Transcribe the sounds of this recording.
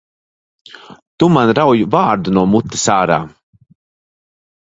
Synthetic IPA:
t̪umanɾawjuvaːɾd̪unuɔmut̪ːḁsaːɾa̰ː

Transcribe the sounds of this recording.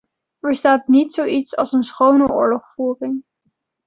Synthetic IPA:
vəɹstaːtnitsowitsɑ̰lˠsənsχownəʊ̰ːɹlɔχfuːrɪŋ

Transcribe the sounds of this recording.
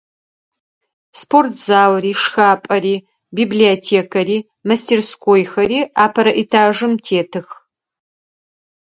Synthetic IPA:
spʰortʰz̥aːwriːʂxaːpʼɐɾiː | bibliotʰeːkʰɐɾiː | mɐstʰeːrskʰʷoːjxɐɾiːaːpʰɐɾɐʔitʰaːʒɨmtʰeːtʰɨx

